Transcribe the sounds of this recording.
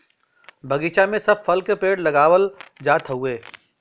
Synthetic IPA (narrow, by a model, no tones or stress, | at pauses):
bʱɐɡiːt͡ʃamẽsɐb̚fɐlkepeːɽlɐɡaːʋəld͡ʒaːt̪ʰɦueː